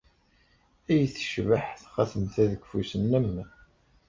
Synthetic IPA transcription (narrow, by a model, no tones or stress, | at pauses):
æjθə̥ʃvəħθχæθənt̪æðəɡfusənːəmː